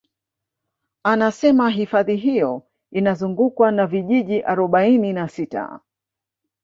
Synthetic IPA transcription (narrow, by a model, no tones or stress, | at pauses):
anasɛmaɦifaðiɦijɔ | inazuŋɡukwanaviʄiʄiʔaɾɔɓaininasita̰